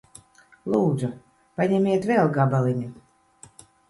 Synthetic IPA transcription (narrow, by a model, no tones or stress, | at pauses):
lˠuːd̪zu | panʲɛmʲiɛt̪vʲɛlˠɡabalʲˠinʲi